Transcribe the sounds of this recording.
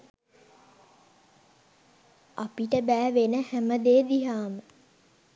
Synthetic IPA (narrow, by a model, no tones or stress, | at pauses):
apiʈəbæːʋenəhæməd̪eːd̪iɦaːmə